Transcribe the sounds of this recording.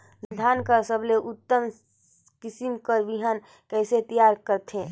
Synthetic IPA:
dd̪ʱankəɾsəbleʔut̪ːəm | kisimkəɾʋiɦən | kɛɪset̪ijaɾkəɾt̪ʰẽ

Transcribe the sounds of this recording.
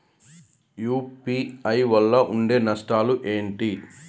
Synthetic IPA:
juːpiɐjʋɐlːɐʔuɳɖe̞ːnɐsʈaːluʔe̞ːɳʈi

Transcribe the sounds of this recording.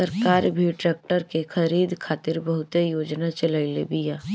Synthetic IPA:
səɾkaːɾbʱiʈɾɛːk̚ʈəɾkexʰɐɾiːd̪kʰaːt̪ɪɾbɐɦʊt̪ejoːd͡ʒnat͡ʃɐlailḛbijaː

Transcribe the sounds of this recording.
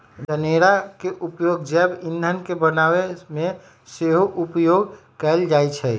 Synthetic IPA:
d͡ʒəneɾakeʔupjoɡd͡ʒɛbind̪ʱənkebənaweme | seɦoʔupjoɡ | kɛld͡ʒajt͡ʃʰɛ

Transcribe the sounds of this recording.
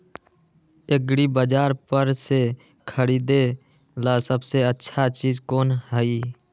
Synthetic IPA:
eɡɾibəd͡ʒaːɾpəɾse | kʰəɾiːd̪e | laːsəbseətːʃʰat͡ʃiːzkoːnɦəi

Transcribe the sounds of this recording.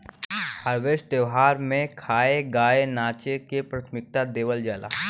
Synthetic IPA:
həɾʋeːsʈ̚d̪eʋɦaːɾmẽkʰaːeɡaːenaːt͡ʃekepɾaːt̪ʰmɪk̚t̪ad̪eːʋəld͡ʒaːla̰ː

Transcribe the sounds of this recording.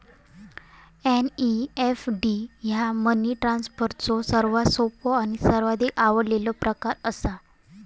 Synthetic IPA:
eniefɖijaməniʈɾãnspəɾt̪t͡sɔsəɾʋasopɔañisəɾʋad̪ikaʋəlelɔpɾəkaɾəsa

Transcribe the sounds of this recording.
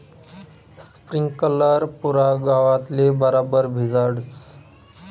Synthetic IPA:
spɾiŋɡkələɾpuɾaɡaʋat̪lebəɾabəɾbʱizaɾɽs

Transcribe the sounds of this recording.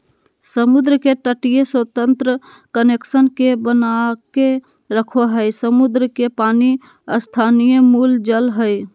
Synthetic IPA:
səmud̪ɾəkeʈəʈijeswət̪ənt̪ɾə | kəneksənkebənake | ɾəkʰoɦəɪsəmud̪ɾəkepani | əst̪ʰanijəmuld͡ʒəlɦəj

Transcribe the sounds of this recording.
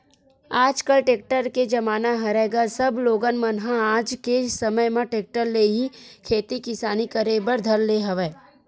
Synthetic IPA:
aːd͡ʒkəlʈeːk̚ʈəɾked͡ʒɐmaːnaɦɐɾɛɡasɐbloːɡənmɐnɦãaːd͡ʒkesɐməjmãʈeːk̚ʈəɾleːɦĩkʰeːt̪ikɪsaːnikɐɾeːbəɾd̪ʱɐɾleɦɐʋeː

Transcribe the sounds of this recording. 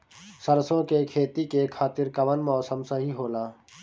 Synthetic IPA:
sɐɾsõkekʰeːt̪ikekʰaːt̪ɪɾkɐʋənmɔːsəmsɐɦiɦoːlaː

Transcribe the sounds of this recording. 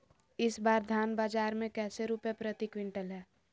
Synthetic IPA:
ɪsbaːɾd̪ʱaːnbaːd͡ʒaːɾmẽkɛːseɾupjepɾət̪ikwɪɳʈəlɦɛː

